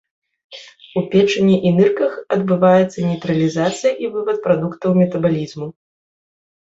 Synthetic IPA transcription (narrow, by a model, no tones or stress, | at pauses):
upʲɛt͡ʂɐnʲːɛʔinɨrkɐxɐd̪̚bɨvajɛt̪sːɐnʲɛjt̪ɾɐlʲizat̪sɨjɐʔivɨvɐt̪̚pɾad̪ukt̪ɐwmʲɛt̪ɐbalʲizmu